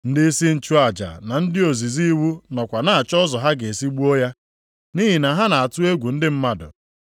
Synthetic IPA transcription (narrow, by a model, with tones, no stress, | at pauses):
n̩˦dɪ˦si˦n̩˦t͡ʃu˦a˨d͡ʒa̰˨na˨n̩˦dɪ˦o˨zi˨zi˦wu˦nɔ˨kʷa˨na˦a˨t͡ʃɔ˦zɔ˨ɦa˦ɡe˨si˦ɡ͡bu˦o˦ja˦ | ni˦ɦi˨na˨ɦa˦na˨a˨tu˦e˦ɡʷu˨n̩˦dɪ˦m̩˦ma˦dʊ̰˨